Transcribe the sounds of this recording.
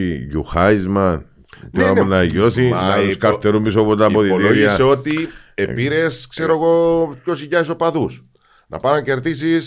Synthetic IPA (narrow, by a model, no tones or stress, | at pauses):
iʝuxɐizmɐn | tniaunɐʝosimɐt̪uskɐɾt̪eɾumbis̬opot̪ɐpoðioðloiɐseo̞t̪iepiɾeskse̞ɾoeɣo̞pçosiʝɐis̬o̞pɐðus | nɐ̰pɐɾɐɲce̞ɾðis̬is